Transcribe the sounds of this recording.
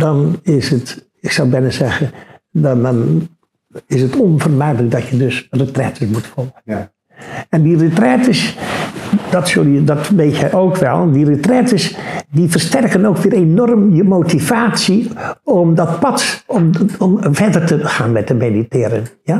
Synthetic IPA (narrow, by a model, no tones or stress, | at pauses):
dɑnɪsət | ɪksawbɛnəzɛɣəndn | ɪsətɔnvərmɛjdələk̚dɔtjədøsrətrɛtʰəsmutfɔlˠɣə | ɛndirətrɛtəs | d̥ɔtsølˠjədɔtʋeːthɛʔowkʋɛ̰lˠdirətrɛtəsdifərstɛrkənowkʋɪːɾenɔrmjəmoːtivaːsiɔmdɔt̚pɑtɔmɔmfɛdərtəxaːnmɛt̚dəmeditɪːɾənja